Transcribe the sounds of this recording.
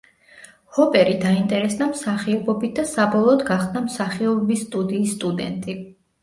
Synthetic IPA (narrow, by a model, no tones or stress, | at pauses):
hɔpʼɛɾid̪aint̪ʼɛɾɛsd̪amsaχiɔbɔbit̪̚ʰd̪asabɔlˠɔːd̪ɡaχd̪amsaχiɔbɔbist̪ʼud̪iːsːt̪ʼud̪ɛ̰nt̪ʼi